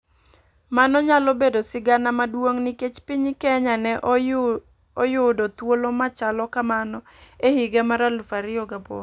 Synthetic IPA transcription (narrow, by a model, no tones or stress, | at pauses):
manɔɲalɔbedosɪɡanamadwoŋniket͡ʃpiɲkɛɲanɛʔ | ɔjʊdot̪wolomat͡ʃalɔkamanɔ | ehɪɡɛmaɾalfaɾɪoɡabo̰